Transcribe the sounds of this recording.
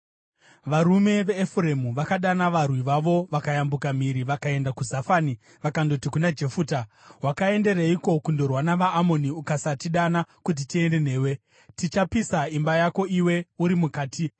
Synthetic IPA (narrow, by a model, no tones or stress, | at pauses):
ʋaɾume̞ʋe̞ːfuɾemuʋakaɗanaʋarwiʋaʋo̞ʋakajambukam̤iɾiʋakae̞ndakuzafani | ʋakando̞tikunad͡ʒe̞fuːta | ɦwakae̞nde̞ɾaiko̞kundo̞rwanaʋaːmo̞niukasatiɗanakut̬itie̞nde̞ne̞ːwe̞ | tit͡ʃapisaimbajako̞iwe̞uɾimukaːti